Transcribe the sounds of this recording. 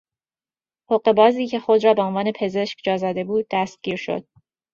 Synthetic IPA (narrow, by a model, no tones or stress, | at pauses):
hoɢe̞bɒːziːcʰe̞xo̞d̪ɾɒːbe̞onvɒːne̞pʰe̞ze̞ʃcd͡ʒɒːzɒːd̪e̞buːd̪̚ːæst̪̚ɡ̥ʲiːɾʃo̞̰d̪̥̚